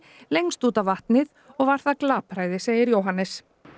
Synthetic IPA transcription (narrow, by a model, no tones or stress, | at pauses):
lejŋst̪uːt̪avvaht̪nɪð | ɔɣvaɾ̥θaðklaːpɾaːjðɪseːjɪɾjowɦanːɛs